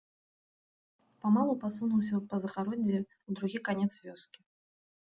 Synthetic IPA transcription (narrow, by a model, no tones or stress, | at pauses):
pamalˠupasunuwsʲɐpɐzɐxaɾɔd͡zʲːɛ | ud̪ɾuɣʲikanʲɛt̪svʲɔskʲi